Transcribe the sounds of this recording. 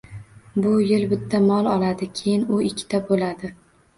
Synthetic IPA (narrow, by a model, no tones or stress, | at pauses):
bʊjɪlbɪt̪ʰːamɒlˠɒlad̪ɪkʲʰejɪnʊɪkʲʰːɪ̥t̪abolad̪ɪ